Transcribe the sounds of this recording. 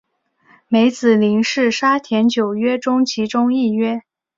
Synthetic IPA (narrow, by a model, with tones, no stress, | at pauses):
me˧˥ɪt͡sɹ̩˨˩li˧˥ŋʂɻ̩˥˩ʂa˥t̪ʰjɛ˧˥nt͡ɕjo˨˩ʊɥɛ˥ʈ͡ʂʊ˥ŋt͡ɕʰi˧˥ʈ͡ʂʊ˥ŋi˥˩ɥɛ˥